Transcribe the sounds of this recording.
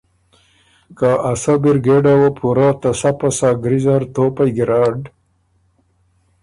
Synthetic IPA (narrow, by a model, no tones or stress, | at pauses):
kaʔasabiɾɡeɖawopʰuɾat̪ɐsapasaːɡɾizaɾt̪oːpajɡiɾaːɖ